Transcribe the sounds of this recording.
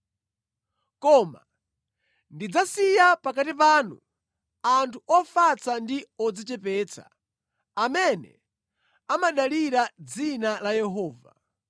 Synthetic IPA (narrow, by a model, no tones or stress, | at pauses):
kɔːma̰ | ndid͡zasijapakatip̬aːnṵ | antʰuɔfat͡sandiɔd͡zit͡ʃɛpɛːt͡sʰa̰ | amɛnɛ̰ | amaɗaliɾad͡zinalajɛɦɔːva̰